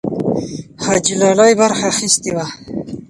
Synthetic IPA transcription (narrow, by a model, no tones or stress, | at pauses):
had͡ʒilɑlajbaɾxaxist̪iwa